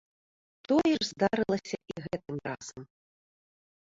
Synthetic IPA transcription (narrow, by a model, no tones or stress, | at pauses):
t̪ɔjɛʐzd̪aɾɨlˠɐsʲɐʔiɣɛt̪̚ɨmraz̥ɐm